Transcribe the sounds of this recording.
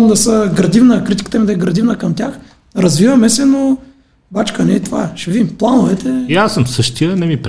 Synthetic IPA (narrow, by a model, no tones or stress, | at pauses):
md̪ɐsəɡɾɐd̪ivnəkɾit̪ʲi̥kə̥t̪əmid̪ɐɛɡɾɐd̪ivnəkɐmt̪ʲjax | ɾɐzvivɐmɛsɛno | bat͡ʃkənɛt̪ova̰ʃɛvimplˠanovɛt̪ɛjasəmsəʃt̪ijənɛmipɾ